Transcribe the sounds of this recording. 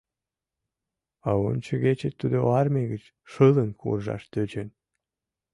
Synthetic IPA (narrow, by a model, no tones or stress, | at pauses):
ɑont͡ɕəɣet͡ɕet̪ːud̪oɑrmeɣət͡ɕ | ʃələnkʰṵrʒɑ̰ʃt̪øt͡ɕen